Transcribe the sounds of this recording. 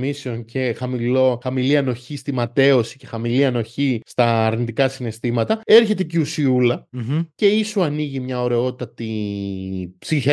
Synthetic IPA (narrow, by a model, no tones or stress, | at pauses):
miseo̞ncʰe̞xɐmilo̞xɐmiliɐno̞çist̪imɐt̪e̞o̞si̥ce̞xɐmiliɐno̞çist̪ɐːɾnit̪ikɐsine̞st̪imɐt̪ɐe̞ɾçe̞t̪eciusiulɐce̞isuɐniʝimɲɐo̞ɾe̞o̞t̪t̪ɐt̪i | psiç